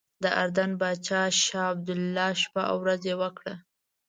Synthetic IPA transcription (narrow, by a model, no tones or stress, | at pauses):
d̪əʔaɾd̪anbɑt͡ʃɑʃɑab̚d̪ʊlːɑʃpaʔa̰wɾazewəkɽa